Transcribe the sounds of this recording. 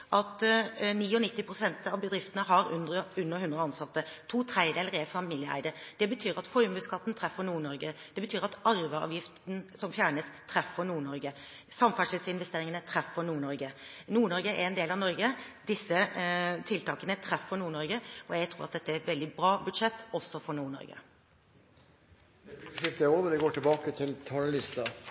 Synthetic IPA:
ʔɑt̪niːɔnɪt̪ːɪpʰɾʊsɛnt̪ɑʋbəd̪ɾɪft̪ənəɦɑɾʉnd̪ɾəʉnːəɾhʉnɾəɑnsɑt̪ːət̪ʰuːt̪ʰɾæɪd̪eːləɾɛfɑmiːljəæ̰ɪd̪əd̪̥ɛbət̪ʰyːɾɑt̪fɔɾmʉːskʰɑt̪ːn̩t̪ʰɾɛfːəɳuːɳɔɾɡəd̪̥ɛbət̪ʰyːɾɑt̪ɑɾʋəɑ̰ːʋjɪft̪n̩sɔmfjæːɳəst̪ʰɾɛfːəɳuːɳɔɾɡə | sɑmfæʂɪlsɪnʋɛst̪eːɾɪŋənət̪ʰɾɛfːənuːɳɔɾɡənuːɳɔɾɡəʔɛɾɛnd̪eːlɑʋnɔɾɡəd̪ɪsːət̪ʰɪlt̪ʰɑːkənət̪ʰɾɛfːəɾnuːɳɔɾɡəɔjæɡt̪ʰɾuːɾɑt̪̚d̪ɛt̪ːəæɾɛt̪ʋɛld̪ɪbɾɑːbʉd̪ʂɛt̪ːɔsːɔfɔɳuːɳɔ̰ɾɡə̰ | ʂɪft̪əoːʋəd̪ɛɡoːʈʰɪlbɑːkət̪ʰɪlt̪ʰɑːləlɪst̪ɑ

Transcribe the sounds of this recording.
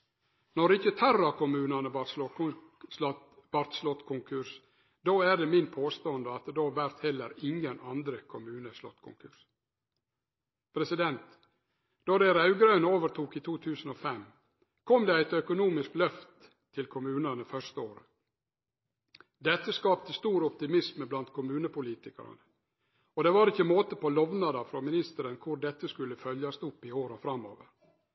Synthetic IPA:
nɔɾɪçət̪ʰɑrɑkʰʊmʉːnɑnəʋɑsɔ | ʋɑɾt̪slɔt̪ːkʰʊŋkʰʉʂ | d̪oːæːɖemɪnpʰoːst̪oːənd̪əɑt̪̚ːd̪oːʋæɾt̪hɛlːəɾɪŋənɑnd̪ɾəkʰʊmʉːnəslɔt̪ːkʰʊ̰ŋkʰʉʂ | pʰɾɛsɪd̪ɛnt̪ | d̪̥ɔːd̪ɛɾɑʉɡɾœnoːʋəɾt̪ʰuːkiːt̪ʰuːt̪ʰʉːsn̩oːfɛm | kʰɔmd̪ɛæɪt̪œkʊnuːmɪsklœft̪ʰː | ɪlkʰʊmʉːnənəfœʂt̪əoːɾə | d̪ɛt̪ːəskɑːp̚t̪əst̪uːɾɔp̚t̪ɪmɪsməblɑnt̪kʰʊmʉːnəpʊliːt̪ɪkɑ̰ɾə̰nə | ɔd̪ɛːʋɑːɾɪçːəmoːt̪əpɔlɔʋnɑd̪ɑfɾɔmɪnɪst̪əɾənkʰʊɾɖɛt̪ːəskʉlːəfœljɑst̪ʊpːɪoːɾɔfɾɑmːo̰ːʋə̰ɾ

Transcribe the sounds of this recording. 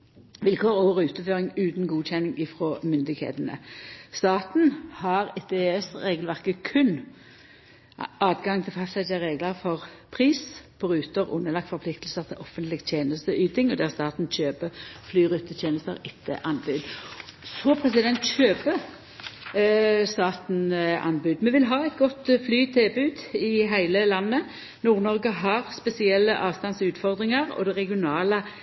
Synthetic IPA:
ʋɪlkʰoːʁɔːʁʉːt̪əføːʁɪŋʉːt̪n̩ɡuːçɛnːɪŋɪfʁoːmʏnd̪ɪɡhḛːt̪ənə̰st̪ɑːt̪n̩hɑʁɛt̪̚d̪eɛst̪ʁeːɡəlʋæʁkəkʰʉn | ɑːd̪ɡɑŋt̪ʰɪlfɑst̪ɛd͡ʒəʁeːɡləʁfɔʁpʰʁiːspʰɔʁʉːt̪əʁʊ̰nːəlɑkt̪fɔɾpʰlɪkt̪l̩səʁt̪ʰɪlʔɔfənt̪lɪɡt̪ʰjeːnəst̪əʔyːt̪ɪŋɔd̪æːʁst̪ɑːt̪n̩çøːpəflyːɾʉt̪ːət̪ʰjeːnəst̪əʁɪt̪ʰːə̰ʔɑnbʉd̪sɔpʰɾɛsɪd̪ɛnt̪çøːpə | st̪ɑːt̪n̩ʔɑ̰nbʉːd̪mɛʋɪlɦɑːɛɪt̪̚ɡɔt̪ːflyːt̪ʰɪlbʉːd̪ɪɦæɪləlɑnːə | nuːʁnɔʁɡəɦɑʁspɛsɪɛlːəʔɑːʋst̪ɑnsʉːt̪fɔʁd̪ʁɪŋɑʁɔ̰d̪ɛʁɛɡɪʊnɑːlə

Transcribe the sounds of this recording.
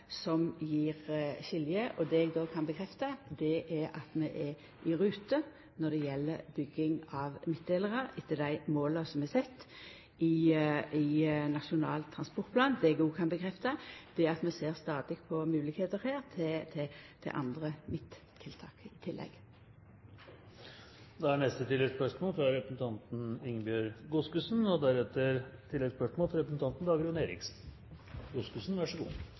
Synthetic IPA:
sɔmjiːʁɕɪljəʔɔd̪ɛɛɡd̪oːkʰɑnbəkʰɾɛft̪ɑd̪ɛʔɛʔɑt̪mɛʔɛ | ʔɪɾʉːt̪ə | nɔd̪ɛjɛlːəɾbʏɡɪŋɑʋmɪt̪̚d̪eːləʁəɪt̪ʰːəd̪æɪmoːlɑsɔmɛsɛt̪ː | ɪɪnɑʃʊnɑːlt̪ʰːɾɑnspɔʁt̪pʰlɑːnd̪ɛɛɡɡuːkʰɑnbəkʰɾɛft̪ɑd̪̥ɛɑt̪mɛseːʁst̪ɑːd̪ɪpʰɔmʉːlɪkheːt̪əɾheːʁt̪ʰɪt̪ʰɪt̪ʰɛ̰ʔɑ̰nd̪ʁəmɪt̪ | t̪ʰːɪlt̪ʰɑːkɪt̪ʰɪlːʔɛ̰ɡ | d̪ɛæɳɛst̪ət̪ʰɪlɛspœʂmoːlfɾɑɾɛpɾəsn̩t̪ʰɑnt̪n̩ɪŋbjøːɾɡʊskʉsn̩ɔd̪æɾɛt̪əɾt̪ʰɪlːɛɡspœʂmoːlfɑɾɛpɾəsn̩t̪ʰɑnt̪n̩d̪ɑːɡəɾʉːneːɾɪ̰ks | ɡʊskʉsn̩ʋæʂəɡṵː

